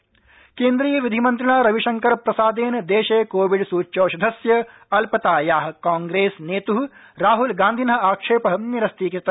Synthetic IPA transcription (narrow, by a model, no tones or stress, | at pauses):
keːnd̪ɾiːjɐʋid̪ʱimɐnt̪ɾɐɳaːɾɐʋiʃɐŋkɐɾpɾɐsaːd̪eːnd̪eːʃeːkoːʋiɖsuːt͡ʃoːʃɐd̪ʱɐsjɐ | ɐlpɐt̪aːjaːɦɐ̆kaːŋɡɾeːsneːt̪uɦɾaːɦulɡãːnd̪ʱinɦɐ̆aːkʂeːpɐɦɐmniɾɐst̪iːkɐt̪ɐ